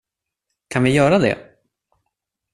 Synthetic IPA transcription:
kʰanvɪjœːɾad̪ɛ̰

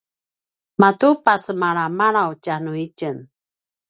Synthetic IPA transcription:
matupasəmaɾamaɾawt͡ʃanuicən

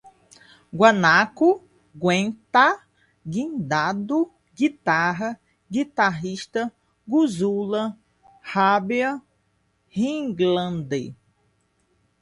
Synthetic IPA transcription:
ɡwanaku | ɡwẽnt̪a | ɡĩd̪ad̪u | ɡit̪aɦɐ | ɡit̪aɦiʃt̪ɐ | ɡuzulɐ | habiɐ | hĩɡlɐ̃nd̪e

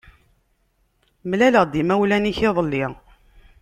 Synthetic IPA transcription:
mlæləʁd̪imæwlæniçɪðˤəlːɪʁ

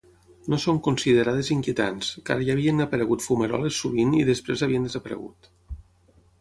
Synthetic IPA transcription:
nosoŋkunsiðeɾað̞eziŋkiet̪anska̰ɾəʒaːβiənəpəɾəɣut̪fumeɾɔ̰lesːuβiniðespɾezaβiənd̪ezəpəɾə̰ɣṵt̪

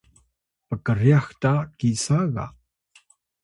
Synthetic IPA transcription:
pəkəɾjaxtakisaɣa̰

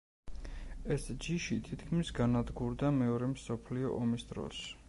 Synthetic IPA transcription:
ɛsd͡ʒiʃit̪ʰit̪ʰkʰmisɡanad̪ɡuɾd̪amɛɔɾɛmsɔpʰliɔ̰ʔɔmisd̪ɾɔ̰s

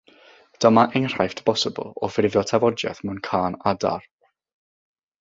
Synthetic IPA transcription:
d̥əmaʔejnr̥ajftbɔsəbə̰lˠɔfrɪvjɔtʰavɔdjɛ̰θmɛwnkʰaːnada̰r

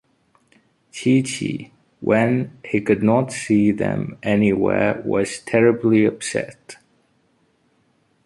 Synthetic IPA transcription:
tʰit͡ʃʰḭ | wʔə̃nhikɨdⁿnətsiðɨ̰̃mɛniwɛ̰ɹwʌ̰z̥tʰɛɹɨbliəb̥sɛ̰t

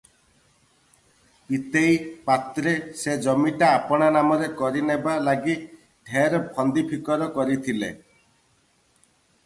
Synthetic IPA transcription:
pit̪ejpat̪ɾesed͡ʒɔmiʈaːpɔɽ̃anamɔɾekɔɾinebalaɡi | ɖʰʱeɾɔpʰɔnd̪ipʰikɔɾɔkɔɾit̪ʰile

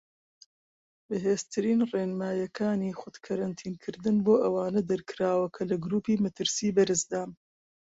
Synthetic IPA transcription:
bɨɦeːzt̪ʰɨɾiːnreːnmaːjɐkʰaːniːxʊd̪kʰɐɾɐnt̪ʰiːnkʰɨɾd̪ɨnboːʔɐwaːnɐd̪ɐɾkʰɨɾaːwɐkʰɐlɐɡɾuːpiːmɐt̪ʰɨɾsiːbɐɾɨsd̪aːm

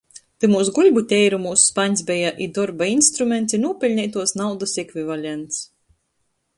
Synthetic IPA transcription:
t̪ɨmuːsɡulʲbut̪ʲɛjɾumuːsu̥spaɲʲsbʲɛjaʔid̪ɔɾbainst̪ɾumʲent̪sʲinuɔpʲilʲnʲɛjt̪uɔsnawd̪ɐsɛkvivalʲent̪s

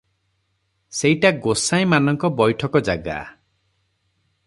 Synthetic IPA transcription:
sejʈaɡosaj̃manɔŋkɔbɔjʈʰɔkɔd͡ʒaɡa̰

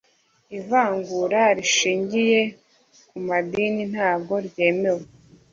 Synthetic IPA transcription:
ivaːŋɡuɾaɾiʃiːɲɟije̞ | kumadiːnin̥haːbɡo̞ɾɟe̞ːme̞we

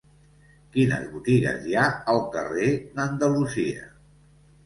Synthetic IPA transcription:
kinə̰zβut̪iɣə̰zjaəlˠkərenənd̪əluziə̰

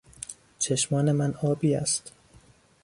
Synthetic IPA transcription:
t͡ʃʰe̞ʃmɒːne̞mænɒːbiːæ̰st̪

